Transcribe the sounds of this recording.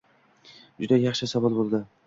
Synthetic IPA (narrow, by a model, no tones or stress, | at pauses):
d͡ʒʊd̪ajɑχʃɪsavɑlˠbolˠd̪ɪ